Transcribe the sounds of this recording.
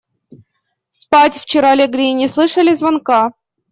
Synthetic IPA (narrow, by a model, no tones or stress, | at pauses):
spatʲft͡ɕɪɾalʲɪɡɾʲijnʲɪslˠɨʂəlʲɪzvɐnka